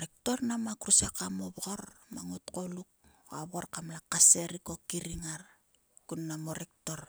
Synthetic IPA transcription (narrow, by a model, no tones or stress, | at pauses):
ɾek̚to̞rnamakɾusakamoβɣoɾmaŋotko̞luk̚ | aβɣorkamlakase̞ɾiko̞kiɾiŋar | kunːamo̞ɾek̚to̞r